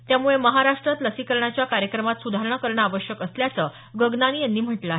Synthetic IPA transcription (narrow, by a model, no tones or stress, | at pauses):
t̪jamuɭeməɦaɾaʂʈɾat̪ləsikəɾɳat͡ɕjakaɾjəkɾəmat̪sud̪ʱaɾəɳakəɾɳaʋəɕjəkəsljat͡səː | ɡəɡnañiːjanːiːm̤əʈlaɦe